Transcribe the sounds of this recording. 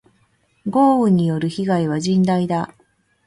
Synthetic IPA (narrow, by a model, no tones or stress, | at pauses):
ɡo̞ːɯ̟ɲ̟ːijo̞ɾɯ̟çiɡaiβ̞aʑĩnd̪aid̪a